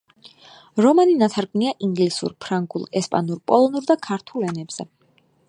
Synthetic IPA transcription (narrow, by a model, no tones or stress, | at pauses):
ɾɔmaninat̪ʰaɾɡniaʔiŋɡlisṵɾpʰɾaŋɡṵlˠɛspʼa̰nuɾpʼɔlˠɔnuɾd̪akʰaɾt̪ʰulɛnɛbz̥ɛ̰